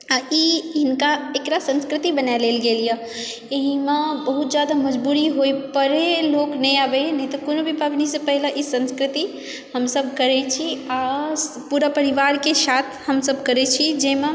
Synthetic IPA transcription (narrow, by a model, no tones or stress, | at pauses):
ajiɦɪnkaekɾasə̃nskɾɪt̪ibənajleːlɡeːlija | eɦimebəɦut̪̚d͡ʒjaːd̪aməd͡ʒbuːɾiɦoipəɾeloːknəɦĩabenəɦĩt̪ɔkonobʱipabnisepəɦlaʔisə̃nskɾɪt̪i | həmsəb̚kəɾet͡ʃʰia | puːɾapəɾiʋaːɾkesaːt̪ʰhəmsəbkəɾet͡ʃʰid͡ʒemẽ